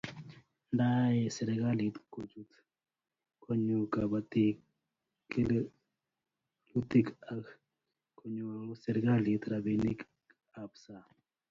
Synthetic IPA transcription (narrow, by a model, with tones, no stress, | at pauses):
nda˦je˨se˨ɾɛɡa˦lit̪kod͡ʒu˦t̪ | kʰo˦ɲu˨ka˨bat̪i˦ | ki˦l | u˦t̪i˦kak | ko˦ɲu˨sɛ˨ɾɛ˦ɡa˦li˨t̪ɾa˨bini˦k | a˨bsa˨